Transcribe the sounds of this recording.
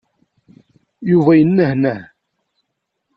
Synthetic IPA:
juvæjənːəhnæ

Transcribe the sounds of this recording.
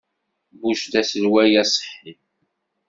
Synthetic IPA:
buʃd̪æsəlwæjæsˤħːi

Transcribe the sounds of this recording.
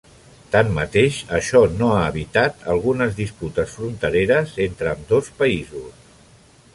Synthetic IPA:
t̪ammət̪eʃəʃɔnoaəβit̪at̪ə̰lˠɣunəzðisput̪əsfɾunt̪əɾeɾəzent̪ɾəːmd̪ospəizus

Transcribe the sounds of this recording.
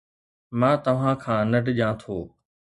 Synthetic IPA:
mãːt̪ɐʋ̤ãːkʰãːnɐʈʄãːt̪ʰoː

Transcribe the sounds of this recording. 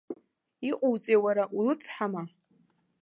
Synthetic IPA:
iqʼowt͡sʼejwaɾaʔulɨt͡sʰħama

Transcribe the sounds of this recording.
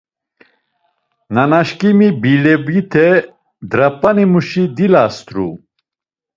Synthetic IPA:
nanaʃkʼimibilɛbit̪ʰɛ | d̪ɾapʼːanimuʃid̪ilast̪ʰɾṵ

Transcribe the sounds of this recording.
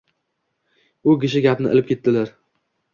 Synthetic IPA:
ʊɡʲɪʃ̬ɪɡʲapnɪ̰ʔɪ̰lɪp̚kʲe̞t̪̚ːɪlaɾ

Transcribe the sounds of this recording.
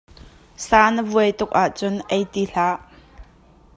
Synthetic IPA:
saːnəvuəjt̪ʊk̚ʔaʔt͡sʊnʔejt̪iɬaːʔ

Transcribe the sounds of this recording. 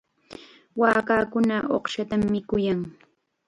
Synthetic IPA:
waːkaːkʊnaʔo̰χʃat̪amːɪkʊjaŋ

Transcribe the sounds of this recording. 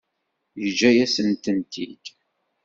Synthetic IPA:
jəd͡ʒːæjæsənt̪ənt̪ḭd̪̥

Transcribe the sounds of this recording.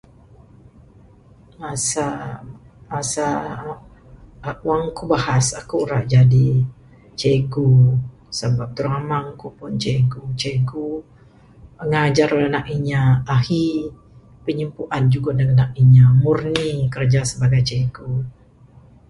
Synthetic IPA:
masa | masa | waŋkubahasakuːɾaʔd͡ʒadi | t͡ʃeɡu | səbap̚t̪uɾamaŋkupʊnt͡ʃeɡut͡ʃeɡu | ŋad͡ʒaɾolanakiɲaːhi | pəɲəmpuʔand͡ʒuɡadaŋanak̚iɲamurnikərd͡ʒasəbaɡajt͡ʃeɡu

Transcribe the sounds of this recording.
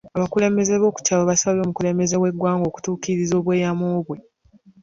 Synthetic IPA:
aβakule̞ːmbe̞ze̞βo̞ːku̥caːloβasaβlo̞ːmukule̞ːmbe̞ze̞we̞ɡwaːŋɡo̞ːku̥tuːkiɾizo̞ːβwe̞ːjamoːβwe̞

